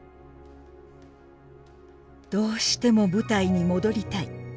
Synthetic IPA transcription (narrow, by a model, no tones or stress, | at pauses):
d̪̥o̞ːɕi̥t̪e̞mo̞bɯ̟t̪aiɲ̟imo̞d̪o̞ɾʲit̪ai